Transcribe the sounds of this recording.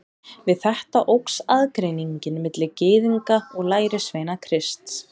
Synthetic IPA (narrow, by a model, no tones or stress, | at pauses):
vɪðθɛht̪aʔowksaðkɾejniɲcɪnmɪt̪lɪcɪːðiŋkaɔɣlaːjɾɪsvejnakʰɾɪst̪s